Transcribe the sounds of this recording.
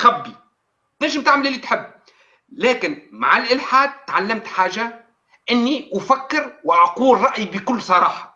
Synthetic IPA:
xæbːi | naʃɪmt̪aʕmɪlʔɪlːit̪ħɪbː | laːkɪnma̰ʕalʔɪlħaːd̪̚t̪ʕalːamt̪ħaːʒa | ʔɪnːiʔʊfakːɪɾwɪʔɑquːlɾˤɑʔjbɪkʊlːsˤɑɾˤɑːħɑ̥

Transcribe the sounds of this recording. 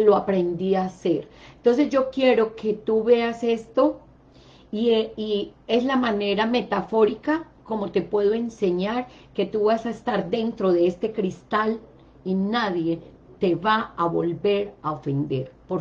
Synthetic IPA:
loapɾe̞nd̪iase̞ɾent̪o̞ns̬e̞zd͡ʒo̞kje̞ɾo̞ke̞t̪uβease̞st̪o̞ | iieslamane̞ɾame̞t̪afo̞ɾika | ko̞mo̞t̪e̞pwe̞ð̞o̞e̞nse̞ɲaɾ | ke̞t̪uβasaest̪aɾd̪e̞nt̪ɾo̞ðeest̪e̞kɾist̪al | inaðje̞ | t̪e̞βaaβo̞̰lbe̞ɾaofe̞nd̪e̞ɾpoɾ

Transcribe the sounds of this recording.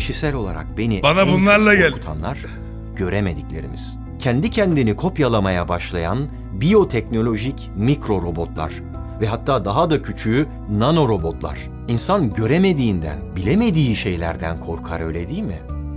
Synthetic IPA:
iʃisælʲo̞lˠa̰ɾa̰k̚be̞nibanabunlˠaɾlˠaɟælut̪ʰa̰nlˠaɾ̥ | ɟ̥ø̞ɾeme̞d̪iclʲe̞̰ɾḭmiz̥ | cʰɛnd̪icʰɛnd̪inikʰo̞pjalˠamajabaʃlˠaja̰n | bijo̞t̪ʰɛc̚no̞lʲo̞ʒic | mikɾo̞ɾo̞bo̞t̪lˠa̰ɾ̥ | vɛɦat̪ʰːaːd̪aɦad̪acʰyt͡ʃʰy | nano̞ɾo̞bo̞t̪lˠa̰ɾ̥ | insanɟø̞ɾeme̞d̪iːnd̪æ̰nbilʲeme̞d̪iːʃe̞jlʲæ̰ɾd̪ænkʰo̞ɾkʰa̰ɾø̞jlʲe̞d̪iːlʲmɪ

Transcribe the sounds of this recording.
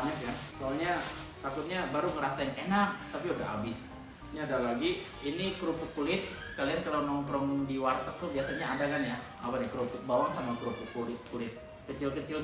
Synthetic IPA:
ɲakankalaɲat̪akʊt̪̚ɲabaɾuŋəɾasaɪnenak̚t̪apiudaɦa̰bɪs | niadalaɡi | inikɾupʊk̚kulɪt̪̚ | kaliankalanɔŋpɾɔŋdiwart̪ak̚t̪ubiasaɲaːdakanja | a̰panakɾupʊk̚bawaŋsamakɾupʊk̚ulɪt̪̚kulɪt̪̚ | kət͡ʃɪlkət͡ʃɪl

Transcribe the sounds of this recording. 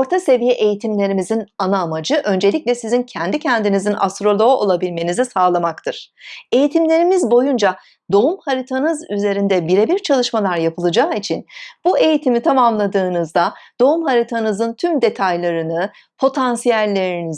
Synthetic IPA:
oɾt̪ʰase̞vijɛʔe̞jit̪ʰimlʲe̞ɾimizinanaːmad͡ʒɯʔø̞nd͡ʒe̞lʲiclʲɛsizincʰɛnd̪icʰɛnd̪inizina̰st̪ɾo̞lˠo̞o̰lˠabilʲme̞nizisaːlˠamakt̪ʰɯɾ̥ | e̞jit̪ʰimlʲe̞ɾimizbo̞jund͡ʒa | d̪o̞umhaɾit̪ʰanɯzyze̞ɾind̪ɛbiɾebiɾt͡ʃʰalˠɯʃmalˠaɾjapʰɯlˠɯd͡ʒaːit͡ʃʰinb̥ue̞jit̪ʰimit̪ʰamamlˠad̪ɯːnɯzd̪ad̪̥o̞umhaɾit̪ʰanɯzɯnt̪ʰymd̪e̞t̪ʰajlˠaɾɯnɯ | pʰo̞t̪ʰansijælʲːe̞ɾini

